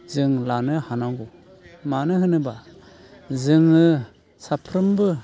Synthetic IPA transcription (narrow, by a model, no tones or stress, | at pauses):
zɯŋlanɯhanaŋɡu | manɯɦɯnɯba | zɯŋɯ | sapʰɾɯmbɯ